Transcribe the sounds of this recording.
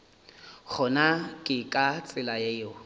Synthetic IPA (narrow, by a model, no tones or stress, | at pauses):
k͡xʰɔnakʼɪkʼat͡sʼɪlajejo